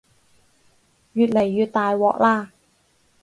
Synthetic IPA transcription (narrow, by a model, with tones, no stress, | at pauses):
jyː˨˩t̪̚le˨˩jːyː˨˩t̪̚t̪aː˨˧jwɔ̰ː˨˧˨k̚laː˧˩